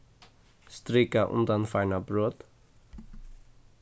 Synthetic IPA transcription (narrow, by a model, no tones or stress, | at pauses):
st̪ɾiːkaʔʊ̰nd̪anfaɪnabɾoːt̪